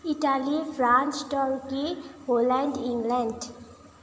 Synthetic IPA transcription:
iʈalifɾãːnt͡ʃʈɔɾkiɦolɛ̃ɳɖĩŋɡlɛ̃ɳɖ

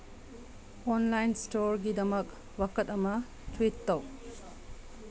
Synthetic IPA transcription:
ɔnlajnstoɾɡidɐmɐk | wakɐtɐmɐ | tʰwitːɐw

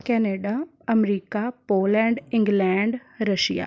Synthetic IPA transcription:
kɛːneːɖa | ɐmɾiːkapoːlɛ̃ɳɖɪ̃ŋɡlɛ̃ɳɖɾɐʃija̰

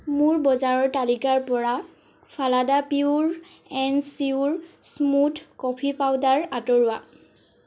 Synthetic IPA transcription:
muɹbɔzaɹɔɹtalikaɹpɔɹa | pʰaladapiuɹ | ɛnsiuɹsmutkɔpʰipawdaɹatɔɹʊa

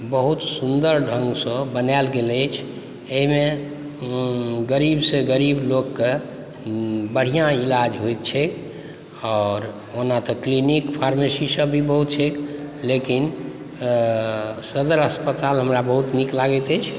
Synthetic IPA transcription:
bəɦut̪sund̪əɾɖʱə̃ŋɡsə̃bənalɡelɛt͡ʃʰ | eɦime | ɡəɾibsẽɡəɾiblokːe | bəɽ̤ijãilad͡ʒɦojt̪̚t͡ʃʰek | ɔːɾ | onat̪ɔklinikpʰaɾmesisəbʱibəɦut̪t͡ʃʰeklekin | səd̪əɾəspət̪alɦəmɾabəɦut̪niklaɡɛt̪ɛt͡ʃʰ

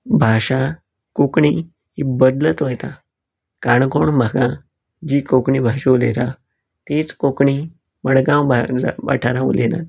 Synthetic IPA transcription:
bʱaɕa | kokɳi | ɦibəd̪lət̪ʋəjt̪a | kaɳkoɳbʱəɡã | d͡ʑiːkokɳibʱaɕelet̪a | t̪et͡skokɳi | məɽɡãwbad͡zaʋa̰ʈʰaɾãʋṵlena̰t̪

